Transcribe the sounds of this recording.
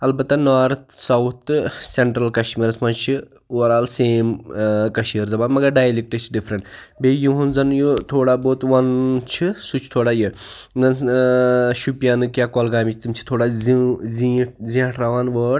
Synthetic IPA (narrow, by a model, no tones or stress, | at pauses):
ɐlbɐt̪ːanaːɾt̪sɐwt̪ʰseɳʈɾɐlkɐʃʈmiːɾɐsmɐt͡ʃʰi | uʋɐɾaːlseːmkɐʃiɾzɐbaːnmɐɡɐɾɖaːjlik̚ʈət͡ʃʰɖifʰɾɐɳʈ | bejuɦunzɐnjot̪ʰoːɽaboːt̪ʋɐnt͡ʃʰisut͡ʃʰt̪ʰoːɽaːjenɐn | ʃupijaːnɨkjaːkɔːlɡaːmit͡ʃʰt̪imʲt͡ʃʰi̥t̪ʰoːɽaiziʈzĩɐʈɾaʋaːnʋəːɽ